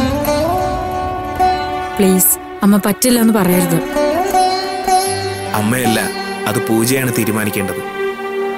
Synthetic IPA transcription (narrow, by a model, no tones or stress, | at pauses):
pɭiːs | ɐmːɐpɐtːilːɐenːɨpɐrɐjaɾɐðɨ | ɐmːejɐlːɐ̰ɐðɨpuːd͡ʑɐjaːɳɨt̪iːɾumaːnikʲːeːɳɖɐðɨ